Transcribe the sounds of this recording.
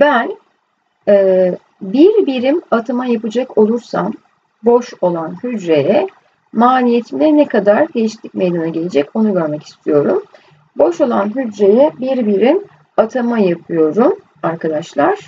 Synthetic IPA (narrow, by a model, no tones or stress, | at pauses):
bæn | ɛː | biɾbiɾimat̪ʰamajapɯd͡ʒakʰo̞lˠuɾsam | bo̞ʃo̞lˠanhyd͡ʒɾe̞jɛ | maːlʲijet̪ʰimilʲɛnɛkʰad̪aɾd̪ejiʃi̥t̪lʲːic̚me̞jd̪anaɟe̞lʲed͡ʒɛco̞nuɟøɾmeci̥st̪ʰijo̞ɾum | bo̞ʃo̞lˠanɦyd͡ʒɾe̞jɛbiɾbiɾim | at̪ʰamajapʰɯjo̞ɾum | aɾkad̪aʃlˠaɾ̥